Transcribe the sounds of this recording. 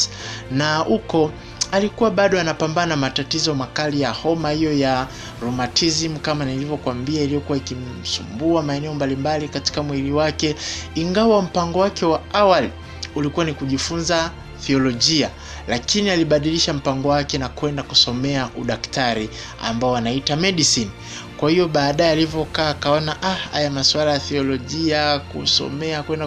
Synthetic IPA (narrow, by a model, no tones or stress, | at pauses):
naukɔ | alikuwaɓaɗɔanapambanaamatatizɔmakalijahɔmahijɔja | ɾumatʰizimukamanilivɔkwambiailijɔkuwaikimsṵmbuamaɛnɛɔmbalimbalikati̥kamwiliwakɛiŋɡawam̩paŋɡɔwakɛwaawali | ulikuwanikuʄifunza | θiɔlɔʄia | lakinialiɓaɗiliʃam̩paŋɡɔwakɛnakwɛndakusɔmɛaʔuɗaktaɾi | a̰mbaɔanaitamɛɗisini | kwahijɔɓaːɗajɛalivɔkaːkaɔnaʔaha̰jamaswalajaθiɔlɔʄiakṵsɔ̰mɛakwɛnda